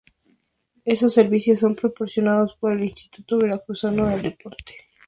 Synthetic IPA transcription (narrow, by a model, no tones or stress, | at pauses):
esosːeɾβisjosːo̞mpɾopo̞ɾsjo̞naðospoɾelinst̪i̥t̪ut̪oβelakusanoðeld̪epo̞ɾt̪e̥